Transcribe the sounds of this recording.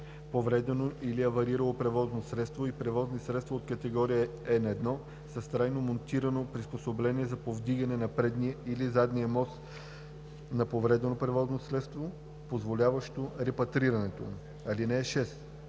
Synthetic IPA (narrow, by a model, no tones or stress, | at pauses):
povɾɛd̪ɛnoʔiliɐvɐɾiɾəlˠopɾɛvɔznosɾɛt̪st̪voipɾɛvɔznisɾɛt̪st̪vɐot̪kɐt̪ɛɡɔɾijəɛnɐɛd̪nɔ | sɐst̪ɾajnomont̪iɾɐnopɾisposoblɛniɛzɐpovd̪iɡɐnɛnɐpɾɛd̪niəilizad̪nijəmɔst̪ | nɐpovɾɛd̪ɛnopɾɛvɔznosɾɛt̪st̪vo | pozvolʲavɐʃt̪oɾɛpɐt̪ɾiɾɐnɛt̪o̰ | ɐlinɛːʃɛs